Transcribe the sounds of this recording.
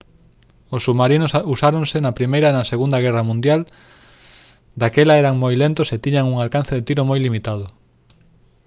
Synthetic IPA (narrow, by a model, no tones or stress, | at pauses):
osːuβmaɾinosusaɾoŋsenɐpɾimejɾɐenɐseɣund̪ɐɣɛrɐmũnd̪jal | d̪akelaɛɾaŋmojlent̪ʊset̪iɲaŋuŋalkan̟θeðet̪iɾomojlimit̪að̞ʊ